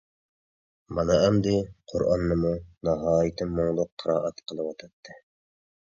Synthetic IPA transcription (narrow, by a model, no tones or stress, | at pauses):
mɑnɑɛmd̪ɪqʰoɾʔɑ̰nːɨmunɑɦɑːjɪt̪ʰɪmːoŋlˠʊqʰːəɾɑːʔɑt̪qʰəlˠɨwɑt̪ʰɑt̪ʰːɨ